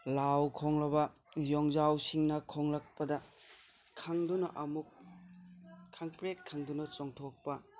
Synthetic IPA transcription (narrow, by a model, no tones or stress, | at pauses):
lawkʰoŋlɐbɐ | jɔŋd͡ʒawsiŋnɐkʰoŋlɐk̚pɐdɐ | kʰaŋdunɐʔɐmuk̚ | aŋpɾekkʰːaŋdunɐt͡ʃoŋtʰok̚pɐ